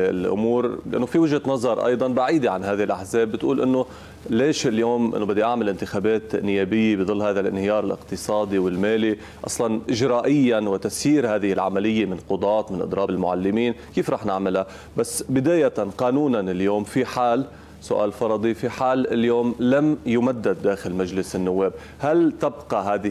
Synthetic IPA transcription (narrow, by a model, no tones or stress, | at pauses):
lʔʊ̰muːɾlɪʔanːofiwɪʒhat̪nɑzˤɑɾˤʔɑ̰jd̪ˤɑnbaʕiːd̪eʕanɦaːðɪhɪlʔaħzeːbːɪt̪ʔuːlʔɪnːo | leːʃɪljoːmʔɪ̰nːobɪd̪ːeʔaʕmɪlʔɪnt̪ɪxaːbeːt̪nɪjːeːbɪjːebɨd̪ˤɨlːhaːðalʔɪ̰nhɪjɑːɾˤɪlʔɪ̰qt̪ɨsˤɑːd̪iwɪlmeːli | ʔɑ̰sˤlɑnʔɪʒɾaːʔɪjːanwɪt̪asjiːɾhaːðɪhɪlʕamalɪjːemɪnqʊd̪ˤɑːt̪mɪnʔɨ̰d̪ɾˤɑːbɪlmʊʕa̰lːɪmiːnkiːfɾˤɑːħnɪʕmɪla | basːbɪd̪aːjat̪anqɑːnuːnanɪljoːmfiħaːl | sʊʔa̰ːlfɑɾˤɑd̪ˤifiħaːlɪljoːmlamjʊmad̪ːad̪ːaːxɪlmaʒlɪsɪnːʊwːeːb | halt̪abqɑɦaːðɪ